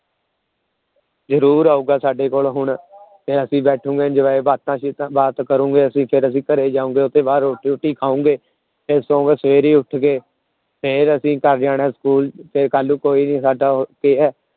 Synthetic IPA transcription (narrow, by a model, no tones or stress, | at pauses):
zəɾuːɾaːuːɡaːsaːɖeːkoːlɦʊɳpʰɪɾəsĩːbɛːʈʰũːŋɡeːd͡ʒəʋaːebaːt̪ãːt͡ʃ̪ːbaːt̪kəɾũːɡeːəsĩːpʰɪɾəsĩːkəɾeːd͡ʒaːũːɡeːʊt̪ẽːbaːɾʈiːʊʈʰːiːkʰaːũːɡeː | esõːɡsəʋeːɾiːʊʈʰɡeː | pʰɪɾəsĩːkəɾd͡ʒaːɽɛ̃ːsə̥kuːlpʰɪɾkaːlũːkoːiːniːsaːɖaːkeːɛː